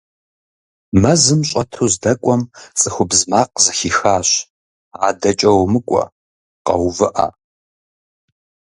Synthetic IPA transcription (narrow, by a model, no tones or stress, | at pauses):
mɐzɨmɕʷʼɐtʰoːzdɐkʷʼɔmt͡sʼɨxʷʊbzmaːq̚zɐxiːxaːɕ | a̰ːdɐt͡ʃʼɐwmɨkʷʼɔ̰ | qɐ̰wvɨʔa̰